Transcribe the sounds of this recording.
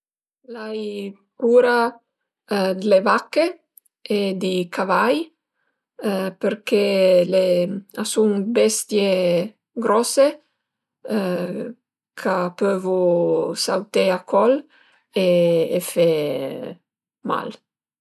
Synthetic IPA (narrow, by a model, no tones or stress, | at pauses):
laj | kuɾa | d̪levakːe | ed̪ikavaj | peɾkeleasuŋbɛst̪je | ɡɾɔse | kʰapøvusawt̪eakʰɔl | eefe | ma̰l